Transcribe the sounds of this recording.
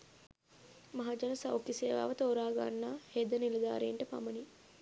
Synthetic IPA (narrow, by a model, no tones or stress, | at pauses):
maɦad͡ʒanəsa̰wkiseːʋa̰ːʋət̪oːɾaːɡa̰nːaːheːd̪ənilɐd̪a̰ːɾeːɳʈəpa̰məni